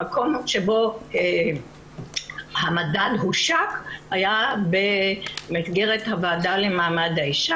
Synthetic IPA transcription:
ako̞mʃe̞bo̞e | hamadadɦuʃakhajabe̞misɡe̞ʁethavaːdalemaːmadaiʃa

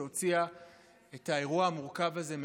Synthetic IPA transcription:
o̞t͡sia | etae̞ʁuaamuʁkavaze̞m

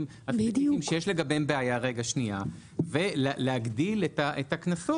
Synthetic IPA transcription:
mhatdiimʃejeʃle̞ɡabembeajaʁe̞ɡaʃnia | veleleaɡdiletaʔetaknaso

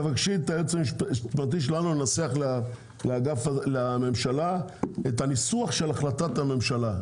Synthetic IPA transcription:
vakʃit̪aet͡semʃtpat̪̬iʃ̬elanunaseaχl | leaɡafalame̞mʃalaet̪hanisuaχʃe̞laχlat̪at̪ame̞mʃala

